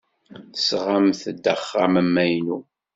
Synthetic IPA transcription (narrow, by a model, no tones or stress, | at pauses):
θsʁamθəd̪əχːamæmːæjnu